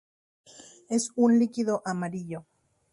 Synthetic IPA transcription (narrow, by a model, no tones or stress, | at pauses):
e̞sunlikiðo̞ʔamaɾiʎo